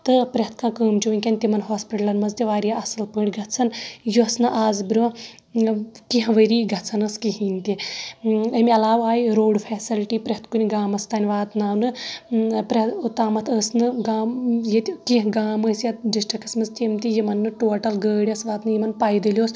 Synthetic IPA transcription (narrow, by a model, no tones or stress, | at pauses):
t̪ɨpɾʲɐɐt̪ʰkãːkəːmt͡ʃuʋinʲkʲɐnʲt̪imɐnɦaːspiʈɐlɐnmɐnzt̪iʋaːɾijaɐsɨlpəːɽʲɡʱɐtt͡sʰɐnjuɐsnɨʔaːzbɾʲʋã | kiɦʋəɾiːɡʱɐt͡sʰɐnɐskiɦiːnʲt̪i | əmʲiɐlaːʋaːjiɾoːɖfʰɛːsilʈiːpɾʲɐt̪kunʲiɡaːmɐst̪aːnʲiʋaːt̪naːwnɨ | pɾʲɐt̪ut̪aːmɐt̪ʰəːsnɨɡaːmjet̪kĩɦɡaːməːsjɐt̪ɖisʈikɐsmɐnzt̪ʲimt̪ʲijimɐnːɨʈoːʈɐlɡəːɽʲiɐsʋaːt̪nɨjimɐnpaːjd̪ilʲjoːs